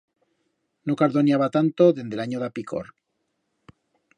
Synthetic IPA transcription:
nokaɾðonjaβat̪ant̪oðe̞nd̪elaɲoðapiko̰ɾ

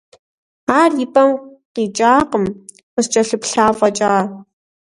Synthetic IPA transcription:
aːrjɪpʼɐmqiːt͡ʃʼaːqəm | χəst͡ʃʼɐɬɨpɬaːfʼɐt͡ʃʼaː

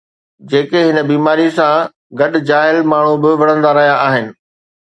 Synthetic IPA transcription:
d͡ʑeːkeɦɪnəbiːmaːɾisã | ɡɐɗd͡ʑaːɦɪlmaːɳ̤ubɪʋɐɽ̤̃ə̃nd̪aɾɐɦijaʔaːɦɪnɪ̆

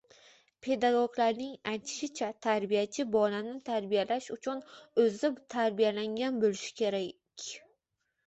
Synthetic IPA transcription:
pʰe̞d̪aɡoɡlaɾnɪŋajt̪ʰɪ̥ʃɪt͡ʃʰat̪ʰaɾbijat͡ʃʰɪbɒlanɪt̪ʰaɾbijalaʃʊt͡ʃʰʊnɵzɪt̪ʰaɾbijalaŋɡʲanbolɪʃɪ̥kʲʰe̞ɾa | kʲʰ

